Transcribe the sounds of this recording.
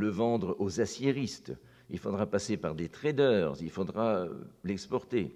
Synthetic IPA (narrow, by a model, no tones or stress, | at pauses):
ləvɑ̃d̪ʁozasjeʁist̪ | ilfod̪ʁapasepaʁd̪et̪χɛd̪œːʁzilfod̪ʁalɛkspɔʁt̪e